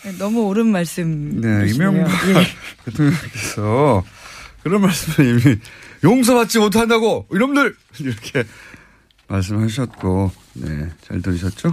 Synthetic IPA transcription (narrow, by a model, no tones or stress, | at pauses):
nenʌmuoɾɯnmaɭs͈ɯmne̞imjʌŋɡaketʰoŋjmjʌŋk͈esʰʌ | kɯɾʌnmaɭs͈ɯmɯnimijoŋs̬ʰʌβat̚t͡ɕ͈imot̬ʰandaɡoiɾʌmndɯɾ | iɾʌkʰe̞ | maɭs̬͈ɯmɦaɕ̬ʰʌt̚k͈o | ne̞̰t͡ɕa̰ɭtɯiɕʰʌt̚t͡ɕ͈o